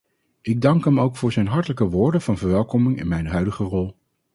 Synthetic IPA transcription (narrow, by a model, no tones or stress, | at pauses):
ɪɡ̚dɑŋkɦɛmowkfʊːɹzɛjnɦɑɹtələkəʋʊːɹdənv̥ɑnvəɹʋɛlˠkɔmɪŋɪ̰nmɛjnɦœɥdəχərɔlˠ